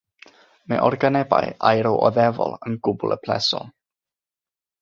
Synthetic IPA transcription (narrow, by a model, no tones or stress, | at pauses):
mɛʔɔrɡanɛba̰jajɾɔwʔɔðɛvɔ̰lˠənɡʊbʊlˠəpʰlɛsɔ